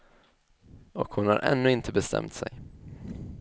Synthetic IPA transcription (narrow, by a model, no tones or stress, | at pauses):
ɔkhʊnhaɾʔɛ̰nːɵɪnt̪ʰəbɛst̪ʰɛ̰mt̪sɛj